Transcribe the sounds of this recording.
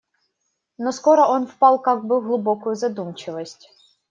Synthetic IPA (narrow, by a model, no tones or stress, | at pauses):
nɔskɔɾɔɔnfpɑlˠkaɡbɪɣlˠʊbɔkʊjʊzɐd̪umt͡ʃɪʋɐsʲtʲ